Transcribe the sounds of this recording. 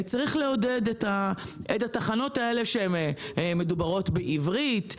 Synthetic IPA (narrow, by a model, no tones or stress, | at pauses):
t͡saʁiχle̞o̞dedet̪aet̪ataχano̞tae̞le̞ʃeemme̞dubaʁo̞tbeʔivʁit